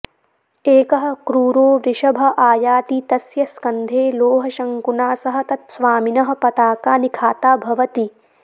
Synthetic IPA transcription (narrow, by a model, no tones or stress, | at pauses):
eːkɐɦɐ̆kɾuːɾoːʋɾɪʃɐbʱɐ̆ʔaːjaːt̪it̪ɐsjɐskɐnd̪ʱeːloːɦɐʃɐŋkunaːsɐɦɐ̆t̪ɐt̪sʋaːminɐɦɐ̆pɐt̪aːkaːnikʰaːt̪aːbʱɐʋɐt̪i